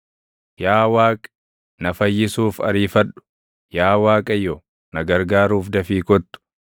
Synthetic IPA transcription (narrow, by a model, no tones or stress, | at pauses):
jaːwaːkʼ | nɐfɐjːɪsuːfɐ̰ɾiːfɐɗʊ̥ | jaːwaːkʼɐjːɔ | nɐɡɐɾɡaːɾuːfd̪ɐfiːkɔt̪ːʊ̥